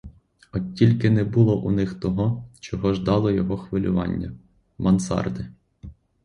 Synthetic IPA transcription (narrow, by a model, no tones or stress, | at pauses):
ɔilʲkɪnɛbʊlˠɔʔunɪxt̪ɔɦɔt͡ʃɔɦɔʒd̪ɑlˠɔjɔɦɔxʋɪlʲʊ̰ʋɑ̰nʲːɐ | mɐnsɑ̰rd̪ɪ